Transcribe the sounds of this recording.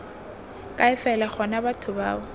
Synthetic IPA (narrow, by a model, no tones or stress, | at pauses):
kʼaɪfɛlaχɔnabatʰʊba̰ːbɔ